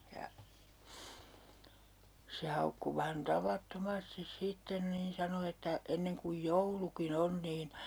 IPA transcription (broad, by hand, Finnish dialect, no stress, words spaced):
jɑ se hɑukːu ʋæhæn tɑʋɑtːomɑstis sitːen niːn sɑno etːæ enːeŋ kuj joulukin on niːn